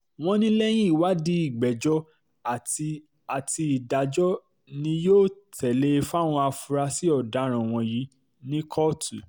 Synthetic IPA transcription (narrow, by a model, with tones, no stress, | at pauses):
w̃ɔ̃˧nĩ˦lɛ˦j̃ĩ˦i˦˨wa˨˦di˦i˨ɡ͡bɛ˨d͡ʒɔ˦ | a˨ti˧ | a˨ti˧i˨da˨d͡ʒɔ˦ | nĩ˧joː˦˨tʰɛ˨le˦˧fa˦˨w̃ɔ̃˧a˧fu˧ɾa˧si˦ɔ˦˨da˨˦ɾ̃ã˨w̃ɔ̃˧ji˨˦ | nĩ˦kʰɔ˦tu˨